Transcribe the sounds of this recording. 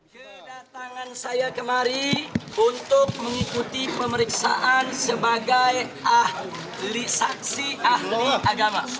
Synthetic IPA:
kə | dat̪aŋansajakəmaɾiunt̪ʊk̚məŋikut̪ipəməɾiksa̰ʔansəbaɡaja | lisaksiʔahliʔaɡama

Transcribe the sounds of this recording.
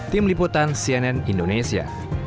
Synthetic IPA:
t̪ɪmliput̪ansiɛnɛnindonesia̰

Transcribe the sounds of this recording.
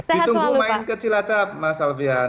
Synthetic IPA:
it̪uɡumainkət͡ʃilat͡ʃap̚masalvia

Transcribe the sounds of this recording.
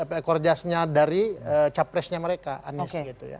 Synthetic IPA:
apɛkɔrd͡ʒasɲadaɾiət͡ʃapɾɛsɲaməɾekaa̰nɪsɡit̪uja̰

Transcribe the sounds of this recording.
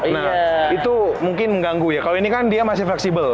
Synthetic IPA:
nait̪umuŋkɪnməŋɡaŋɡujakaloinikandiamasɪflɛksibəl

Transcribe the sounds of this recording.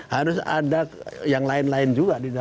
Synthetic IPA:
haɾʊsa̰dakjaŋlaɪnlaɪnd͡ʒuɡadida

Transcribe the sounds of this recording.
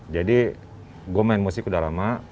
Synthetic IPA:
d͡ʒadi | ɡuomaɪnmosikudahlama

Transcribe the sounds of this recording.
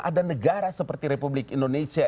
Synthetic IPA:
ʔa̰danəɡaɾasəpərt̪iɾepublɪkindonesia

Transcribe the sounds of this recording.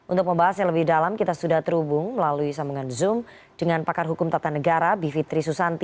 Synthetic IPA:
ʔunt̪ʊk̚məmbaɦasɲaŋləbɪdalamkit̪asudaht̪əɾubʊŋməlaluisamuŋanzʊm | d̥əŋanpakarɦukʊmt̪at̪anəɡaɾabifit̪ɾisusant̪i

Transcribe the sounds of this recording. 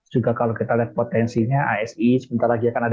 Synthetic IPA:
d͡ʒuɡakalokit̪aliat̪̚pot̪ɛnsiɲaʔaɛsisəbint̪arlaɡiakanad

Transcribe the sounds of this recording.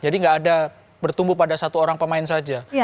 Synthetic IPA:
d͡ʒadiŋɡaʔːda | bərt̪umbupadasat̪uoɾaŋpəmaɪns̬ad͡ʒa

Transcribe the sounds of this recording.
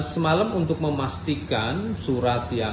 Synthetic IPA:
səmalamunt̪ʊk̚məmast̪ikansuɾat̪ja

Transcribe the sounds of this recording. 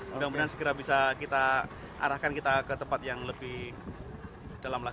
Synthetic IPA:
daŋbənarsə̥kiɾabisakit̪a | ʔa̰ɾahkankit̪akət̪əmpat̪̚jaŋləbɪh | d̥alamla

